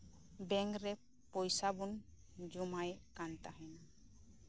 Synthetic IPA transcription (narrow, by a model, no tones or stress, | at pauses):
bɛŋkɾɛ | pɔjsabun | d͡ʒumajkant̪aɦɛn